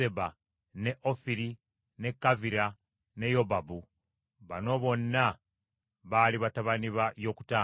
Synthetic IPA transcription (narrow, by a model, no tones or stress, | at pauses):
eba | ne̞ʔofiɾi | ne̞kːaviɾa | ne̞jo̞babu | βa̰no̞ːβo̞nːa | βaliβataβaniβajo̞ːku̥taː